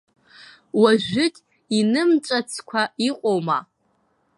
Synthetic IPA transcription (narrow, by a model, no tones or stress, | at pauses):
waʒᶣʷɪtʼ | inɨmt͡ʃʷʼat͡sʰkʷʰaiqʷʼoma̰